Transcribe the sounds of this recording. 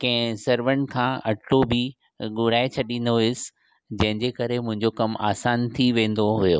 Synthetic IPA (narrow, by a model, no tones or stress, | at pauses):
kɐ̃ɦɪ̃sɐɾʋən̆kʰãːɐʈlobʱi | ɠʊɾaːet͡ɕʰɐɗĩːn̆d̪oɪɪs | d͡ʑɐ̃ɦɪ̃ɲd͡ʑeːkɐɾemʊ̃ɦɪ̃ɲd͡ʑokɐma̰ːsaːnt̪ʰiʋẽːn̆d̪oɦujoː